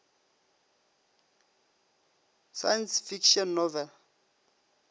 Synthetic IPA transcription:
sa̰jansfikʃɔnːɔvɛl

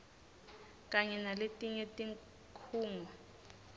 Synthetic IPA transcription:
k̬ʼaɲɛnaletʼiɲetʼiŋ | kʰuːŋɔ

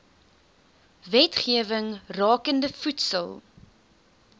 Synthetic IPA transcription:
vɛtχiəvəŋrɑːkəndəfutsəlˠ

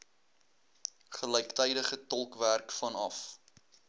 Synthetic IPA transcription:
χələjktɛjdəχətɔlˠkværkfɐnɐf

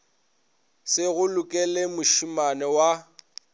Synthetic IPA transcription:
sɪɣʊlʊkʼɛlemʊʃumanɛwa

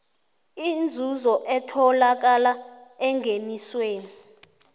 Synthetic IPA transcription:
ind͡zʱuzɔʔɛtʰɔlak̬alaɛŋʱenisweːni

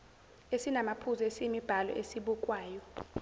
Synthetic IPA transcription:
esinamapʰuzɔesimib̥ʱalɔ̰ʔesiɓukʼwaːjɔ

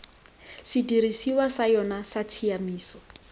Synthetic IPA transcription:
sɪdirisiwasajɔnasatʰiamiːsɔ̥

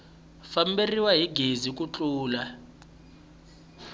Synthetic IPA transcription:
famberiwaɦiɡʱezik̬ʼut͡ɬʼuːla

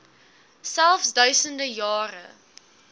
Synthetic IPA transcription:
sælˠfsdœɥsəndəjɑːrə̰

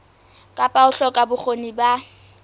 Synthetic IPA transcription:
kʼapʼaʊɬɔkʼabʊχoniba

